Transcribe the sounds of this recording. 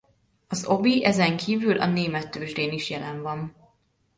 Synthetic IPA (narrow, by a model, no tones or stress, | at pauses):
ɒzo̞biʔɛzɛŋkʰiːvylʔɒ̰neːmɛt̪ːøːʒdeːniʃjɛlɛɱvɒn